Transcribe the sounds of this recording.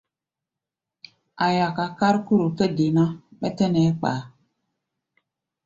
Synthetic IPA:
a˨ja˨ka˨ka˦ɾku˦ɾu˨kə˦di˨nã˦ɓɛ˦tə˦nɛ˨˦k͡pa̰˨˦˨

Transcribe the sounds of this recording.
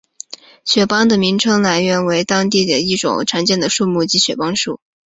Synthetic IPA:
ɕɥɛ˨˩pɑ˥ŋd̪ə˨mi˧˥ŋʈ͡ʂʰɤ˥ŋla˧˥nɥɛ˧˥nwe˧˥ɪt̪ɑ˥ŋt̪̬i˥˩d̪ə˩i˥˩ʈ͡ʂʊ̰˨˩ŋʈ͡ʂʰa˧˥nt͡ɕjɛ˥˩nd̪ə˩ʂu˥˧mu˥˩t͡ɕi˧˥ɕɥɛ̰˨˩pɑ˥ŋʂṵ˥˩

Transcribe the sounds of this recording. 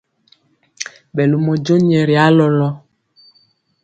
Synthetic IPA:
ɓɛ˨lu˨mɔ˨d͡ʒo˦ɲ˦ɛ˨ɾi˨a˨˦lɔ˦lɔ˦

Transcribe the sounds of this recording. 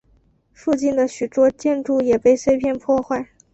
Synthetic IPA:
fu˥˧t͡ɕi˥˩nd̪ə˩ɕy˨˩t̪wɔ˥t͡ɕjɛ˥˧nʈ͡ʂu˥˩jɛ˨˩pe˥˧ɪswe˥˧ɪpʰjɛ˥˧npʰwɔ˥˧xwa˥˩ɪ

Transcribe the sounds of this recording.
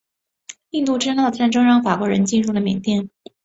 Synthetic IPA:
i˥˧nt̪u˥˧˩ʈ͡ʂɻ̩ə˥ŋɑ˥˩ʊ˩ʈ͡ʂa˥˩nʈ͡ʂɤ˥ŋɻɑ˥ŋfa˨˩kwɔ˧˥ɻə˧˥nt͡ɕi˥˧ɻu˥˩d̪ə˩mjɛ˨˩nt̪jɛ˥˩n

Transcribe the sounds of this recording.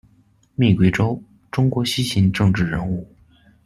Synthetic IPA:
mi˥˩kwe˥ɪʈ͡ʂo˥ʊ | ʈ͡ʂʊ˥ŋkwɔ˧˥ɕi˥ɕi˧˥nʈ͡ʂɤ˥˧ŋʈ͡ʂɻ̩˥˩ɻə˧˥nu˥˩

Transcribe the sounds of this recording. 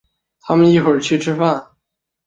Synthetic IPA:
t̪ʰa˥mə˨ni˥˩xwə˨˩t͡ɕʰy˥˩ʈ͡ʂʰɻ̩˥fa˥˩n

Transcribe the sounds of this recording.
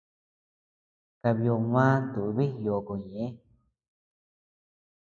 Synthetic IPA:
ka˧βjo˧mãː˦t̪u˨ʔβi˦jo˨ko˧˨ɲẽ˨ẽ˦

